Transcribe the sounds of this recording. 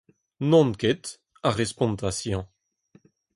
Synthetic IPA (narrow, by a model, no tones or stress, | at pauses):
nɔ̃nket̪ | aʁespɔ̃nt̪asjɑ̃